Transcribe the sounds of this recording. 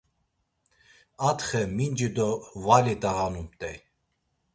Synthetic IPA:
at̪χɛmind͡ʒid̪ɔvalit̪ʼaɣanumt̪ʼɛj

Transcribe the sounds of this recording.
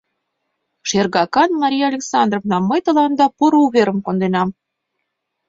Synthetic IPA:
ʃerɣɑkɑnmɑɾʲijɑlʲeksɑnd̪rovnɑməjt̪ə̆lɑnd̪ɑpuɾuβeɾə̆mkond̪enɑm

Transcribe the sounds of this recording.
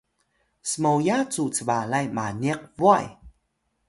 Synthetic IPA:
səmowjat͡sut͡səvalajmaniəqvua̰j

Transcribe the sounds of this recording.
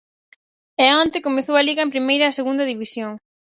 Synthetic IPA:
ɛɔnt̪ekomeθowɐliɣɐempɾimejɾɐːseɣund̪ɐðiβisjoŋ

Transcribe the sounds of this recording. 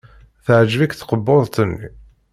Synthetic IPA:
θəʕd͡ʒvikθqəbːoðˤt̪ənːḭ

